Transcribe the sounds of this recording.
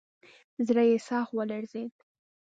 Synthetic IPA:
zɾajesɑxwəlaɾzed̪̚

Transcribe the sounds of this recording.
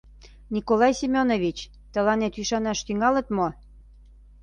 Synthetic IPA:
nʲikolɑjsimʲonovit͡ɕ | t̪ə̆lɑnet̪yʃɑnɑʃt̪yŋɑlə̆t̪mo

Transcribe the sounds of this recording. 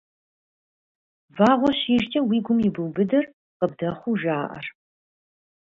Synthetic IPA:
vaːʁʷɔɕiːʒt͡ʃʰʼɐwiːɡʷʊmjɪbɨwbɨdɐr | qəb̚dɐχʷuːʒaːʔɐ̰r

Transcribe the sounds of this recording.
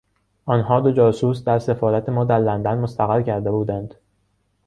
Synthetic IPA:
ʔɒːnhɒːd̪o̞d͡ʒɒːsuːsd̪æɾse̞fɒːɾæt̪ʰe̞mɒːd̪æɾlænd̪ænmost̪æɣæɾcʰæɾd̪e̞buːd̪ænd̪̥

